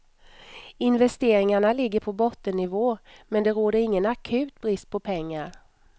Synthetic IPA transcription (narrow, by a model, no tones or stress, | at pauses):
ɪnvɛst̪eːɾɪŋaɳalɪɡːəɾpʰɔbɔt̪ːənːɪvoːmɛnd̪ɛɾoːd̪əɾɪŋːənakʰʉ̟ːt̪bɾɪst̪̚pʰɔpʰɛŋːaɾ